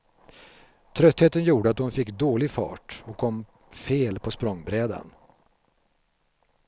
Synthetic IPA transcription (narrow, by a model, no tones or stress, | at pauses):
t̪ʰɾœt̪heːt̪ənjuːɖəat̪̚hʊnfɪkːd̪oːlɪɡfɑ̰ːʈɔkʰːɔmː | feːlpʰɔspɾɔŋːbɾɛːd̪a̰n